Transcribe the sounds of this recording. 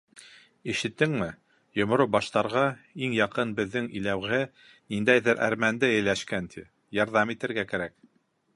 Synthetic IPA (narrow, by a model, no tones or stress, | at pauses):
iʃɘ̆t̪ːɘŋmɘ | jŏmŏɾobɑʃt̪ɑɾʁɑiŋjɑqɤnbɘ̆ðːɘŋḭlæwɘ | nind̪æjðɘɾʔæ̰ɾmænd̪ɘɘ̆jlæʃkænt̪ʰḭ | jɑɾðɑmit̪ɘ̆ɾɡækæɾæk̚